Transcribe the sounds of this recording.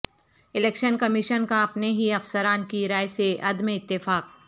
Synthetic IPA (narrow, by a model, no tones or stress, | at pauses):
ɪleːkʃənkɐmɪʃənkaɐpneɦiɐfsəɾaːnkiɾaːjseʔɐd̪meɪt̪ːɪfaːk̚